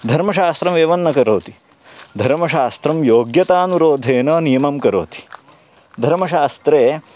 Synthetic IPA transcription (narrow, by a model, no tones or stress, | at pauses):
d̪ʱɐɾmɐʃaːst̪ɾɐmeːʋɐnːɐkɐɾoːt̪i̥ | d̪ʱɐɾmɐʃaːst̪ɾɐmjoːɡjɐt̪aːnuɾoːd̪ʱeːnɐnijɐmɐmkɐɾo̰ːt̪i̥ | d̪ʱɐɾmɐʃaːst̪ɾeː